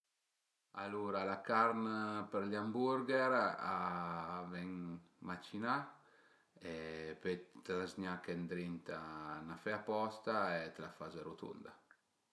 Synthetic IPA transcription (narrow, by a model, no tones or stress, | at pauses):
a̰luːɾalakaɾnpəɾʎambuɾɡɛɾa | vɛŋ | mat͡ʃina | ɛpɛt̪lazɲakɛnd̪ɾint̪anafɛapɔst̪aet̪lafazeɾut̪ṵnd̪a